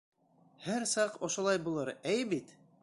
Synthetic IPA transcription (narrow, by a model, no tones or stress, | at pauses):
hæɾsɑqŏʃŏlˠɑjbulˠɤɾæjbit̪